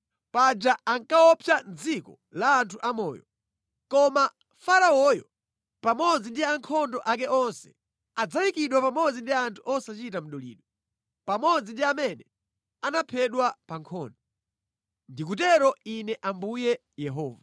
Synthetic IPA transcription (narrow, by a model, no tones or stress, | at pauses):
pad͡ʒaaŋkaɔpʰjand͡zikɔ̰ | laːntʰuʔamɔ̰ːjɔ̰ | kɔma | faɾaɔjɔ | pamɔd͡zindiaŋkʰɔndɔʔak̬ɛɔnsɛ̥̰ | ad͡zawikiɗwapamɔd͡zindiantʰuʔɔsat͡ʃitam̩ɗɔlḭːɗwɔ | pamɔd͡zindiamɛnɛ | anapʰɛɗwapaŋkʰɔndɔ | ndik̬utɛɾɔinɛʔambujɛ | jɛɦɔːva